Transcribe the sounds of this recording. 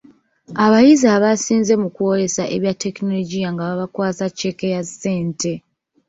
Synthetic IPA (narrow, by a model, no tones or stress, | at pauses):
aβajizaβasiːnze̞mukuo̞ɾe̞saʔḛβjatːe̞kino̞lo̞ɟijaŋɡaβaβakwaːt͡sacːe̞kejase̞ːnte̞